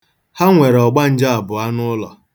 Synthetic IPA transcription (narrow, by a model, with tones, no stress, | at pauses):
ha˦ŋʷe˨ɾɔ˨ɡ͡ba˦n̩˦d͡ʒa˦a˨bʊ˨a˦nʊ˦lɔ̰˨